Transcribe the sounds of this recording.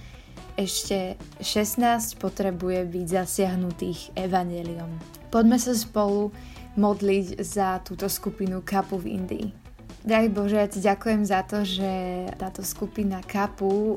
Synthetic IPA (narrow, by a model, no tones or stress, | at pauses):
ɛʃcɛʃɛsnaːscpɔt̪ɾɛbujɛbiɟzasɪaɦnut̪iːɣɛʋaɲjɛliɔm | pɔɟmɛsas̬pɔlu | mɔd̪liɟzat̪uːt̪ɔskupinukapuvḭnd̪ḭː | d̪ɾaɦibɔʒɛjaciɟakujɛmzat̪ɔʒɛt̪aːt̪ɔskupinakapu